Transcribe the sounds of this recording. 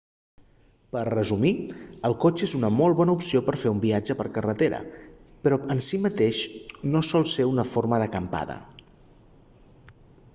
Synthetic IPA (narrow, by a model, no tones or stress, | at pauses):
pərrəzumiəlˠkot͡ʃezunəmolˠβɔnəupsiopəɾfeumbiad͡ʒəpəɾkərət̪eɾə̰pɾɔənsimət̪eʃnosɔlˠseunəforməðəkəmpa̰ðə̰